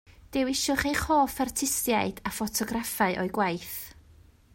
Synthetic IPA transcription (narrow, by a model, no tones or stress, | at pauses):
d̥ɪwɪʃʊχejχoːfartʰɪstjaɨd̥afɔtʰɔɡrafaɨʔɔɨɡwajθ